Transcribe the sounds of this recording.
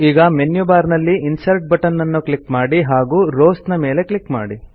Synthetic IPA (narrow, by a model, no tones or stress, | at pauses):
iːɡɐmenjubaːɾnɐlːiːnsɐɾʈ̚bɐʈɐnːɐnːuklikmaːɽiɦaːɡuːɾoːsnɐme̞ːle̞klikma̰ːɽi